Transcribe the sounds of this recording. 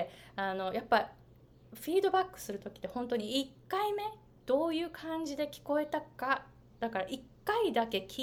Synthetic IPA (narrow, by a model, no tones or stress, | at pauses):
ano̞japːa | ɸʲiːd̪o̞bakːɯ̟̥sɨɾɯ̟t̪o̞kʲi̥t̪ːehõ̞nt̪o̞ɲ̟iikːaime̞ | d̪̥o̞ːjɯ̟ːkʰãɲ̟d͡ʑid̪e̞kʲi̥ko̞e̞t̪aka | d̪̥akaɾaʔikːaid̪ake̞kʲ